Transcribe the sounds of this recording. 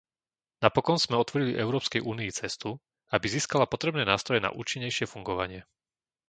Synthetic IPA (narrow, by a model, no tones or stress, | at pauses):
napɔkɔnz̥mɛɔt̪ʋɔɾiliʔɛʊɾɔːpskɛjʔuːniit͡sɛst̪u | abiziːskalapɔt̪ɾɛbnɛːnaːst̪ɾɔjɛna̰ʔṵːt͡ʃiɲːɛjʃɪɛfuŋɡɔʋaɲɪɛ